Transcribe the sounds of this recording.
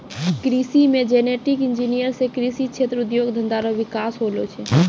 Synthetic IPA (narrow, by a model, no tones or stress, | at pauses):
kɾisimẽd͡ʒeːneʈɪkɪnd͡ʒinijəɾsekɾisit͡ʃʰeːt̪ɾʊud̪joɡd̪ʱə̃nd̪aɾoʋɪkaːsɦolot͡ʃʰɛ